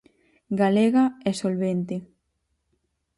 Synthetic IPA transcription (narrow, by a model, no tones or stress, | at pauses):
ɡaleɣaɛsolβent̪e